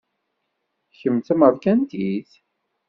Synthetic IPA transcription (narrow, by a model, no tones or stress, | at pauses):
çəmt̪æməðkænt̪iθ